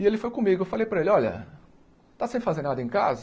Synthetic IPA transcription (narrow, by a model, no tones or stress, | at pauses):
ɪelɪfojkõmiɡʊɪfalejpɾɐelɪɔʎɐ̰ | t̪asẽfazeɾnad̪ɐẽj̃ka̰z